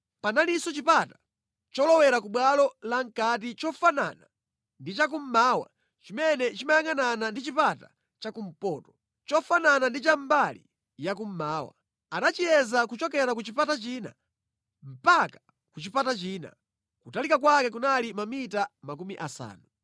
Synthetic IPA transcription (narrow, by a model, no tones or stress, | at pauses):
panalisɔt͡ʃipata | t͡ʃɔlɔwɛɾakuɓwalɔlaŋ̩kat̬it͡ʃɔfana̰na | ndit͡ʃak̬um̩maːwa̰ | t͡ʃimɛnɛt͡ʃimajaŋananandit͡ʃipata̰ | t͡ʃakum̩pɔːtɔ̥ | t͡ʃɔfananandit͡ʃambalḭ | jakum̩maːwa̰ | anat͡ʃijɛzakut͡ʃɔkɛɾak̬ut͡ʃipatat͡ʃina̰ | m̩pakḁ | kut͡ʃipatat͡ʃiːna̰ | kutalikak̬wakɛkunalimamitamakumiʔasa̰ːnu